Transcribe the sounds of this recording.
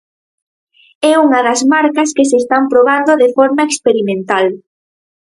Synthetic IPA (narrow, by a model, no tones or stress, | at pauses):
ɛuŋɐðɐzmaɾkɐskesest̪ampɾoβ̞and̪oðefɔɾmaekspeɾimẽnt̪al